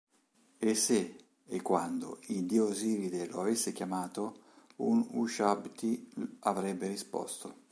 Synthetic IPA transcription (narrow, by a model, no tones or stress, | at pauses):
esːe | ekːwand̪o̰ild̪ioziɾid̪eloavesːekjamaːt̪o | unuʃabt̪iavɾɛbːerispɔ̰st̪o